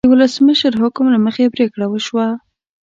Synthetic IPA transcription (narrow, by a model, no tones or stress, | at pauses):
əwʊləsməʃəɾɦʊkʊmlaməxebɾekɽawəʃwa